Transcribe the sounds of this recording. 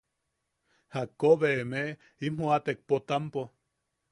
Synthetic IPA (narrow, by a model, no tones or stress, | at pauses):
hakːoβemeʔ | imoat̪ek̚pot̪ampo